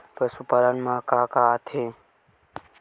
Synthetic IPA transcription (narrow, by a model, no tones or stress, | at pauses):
pəsupaɾənmãkaːkat̪ʰe